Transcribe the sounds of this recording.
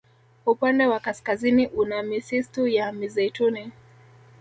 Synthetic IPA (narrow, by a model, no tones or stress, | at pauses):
upandɛwakaskaziniʔunamisistujamizɛjtuni